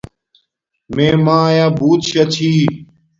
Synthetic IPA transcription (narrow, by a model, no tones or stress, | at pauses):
mẽːmãːjaːbuːt̪ʃɐt͡ɕʰiː